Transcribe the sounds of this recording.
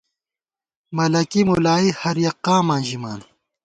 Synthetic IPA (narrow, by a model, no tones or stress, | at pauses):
mɐlɐkimulaːihɐɾjɐqːãːmãːnʑimaːn